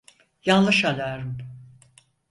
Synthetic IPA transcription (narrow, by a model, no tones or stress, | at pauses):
janlˠɯʃalaɾɯm